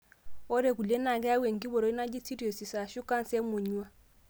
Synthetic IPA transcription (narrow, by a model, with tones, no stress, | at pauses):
ɔ˦ɾe˨ku˨le˦na˨kɛ˦a˦we˨ŋɡi˦bɔ˨ɾo˨˦i˦na˦d͡ʒi˦t͡si˦ɾo˨si˨sa˨ʃu˦ka˦n˦sɛ˦mo˨ɲu˦a˦